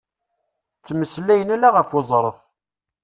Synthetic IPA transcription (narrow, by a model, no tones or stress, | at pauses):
θːmːəslæjənælaʁəfʊzˤɾˤəf